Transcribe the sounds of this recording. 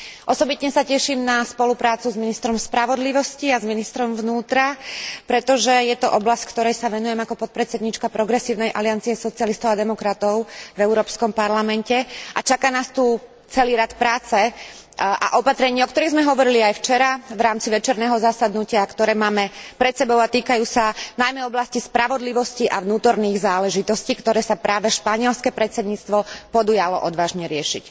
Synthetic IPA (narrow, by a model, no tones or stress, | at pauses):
ʔɔsɔbit̪ɲɛsacɛʃiːmnaspɔlupɾaːt͡suzminist̪ɾɔmspɾaʋɔd̪liʋɔsciazminist̪ɾɔmvnuːt̪ɾapɾɛt̪ɔʒɛjɛt̪ɔʔɔblasckt̪ɔɾɛjsaʋɛnujɛmakɔpɔt̪̚pɾɛt̪t͡sɛd̪ɲiːt͡ʃkapɾɔɡɾɛsiːʊnɛjʔa̰liɪant͡siɛsɔt͡sɪalist̪ɔʊad̪ɛmɔkɾat̪ɔʊvɛʊɾɔːpskɔmpaɾlamɛncɛʔat͡ʃakaːnaːst̪uː | t͡sɛliːɾat̪pɾaːt͡sɛ | ʔa̰ʔɔpat̪ɾɛɲiːɔkt̪ɔɾiɣzmɛɦɔʋɔɾiliajft͡ʃɛɾaʋɾaːmt͡siʋɛt͡ʃɛɾnɛːɦɔzasad̪nucɪakt̪ɔɾɛːmaːmɛpɾɛt̪sɛbɔʊat̪iːkajuːsanajmɛɔblascispɾaʋɔd̪liʋɔsciʔaʋnuːt̪ɔɾniːɣzaːlɛʒit̪ɔsciːkt̪ɔɾɛːsapɾaːʋɛʃpaɲɪɛlskɛpɾɛt̪sɛd̪ɲiːt͡st̪ʋɔpɔd̪ujalɔ̰ʔɔd̪ʋaːʒɲɛɾɪɛʃḭc